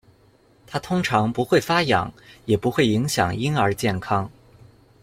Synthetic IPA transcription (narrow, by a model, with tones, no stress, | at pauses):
t̪ʰa˥t̪ʰʊ˥ŋʈ͡ʂʰɑ˧˥ŋpu˧˥xwe˥˩ɪfa˥jɑ̰˨˩˦ŋjɛ˨˩pu˧˥xwe˥˩ɪi˧˥ŋɕjɑ̰˨˩ŋi˥nə˞˧˥t͡ɕjɛ˥˩nkʰɑ˥ŋ